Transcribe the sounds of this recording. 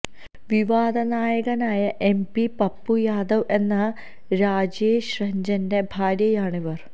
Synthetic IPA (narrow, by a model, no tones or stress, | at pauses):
ʋiʋaːd̪ʱɐnaːjɐɣɐnaːjɐʔempipɐpːujaːd̪ɐʋe̞nːɐ | ɾaːd͡ʑeːɕrɐɲd͡ʑɐndebʱaːɾjɐjaːɳiʋɐr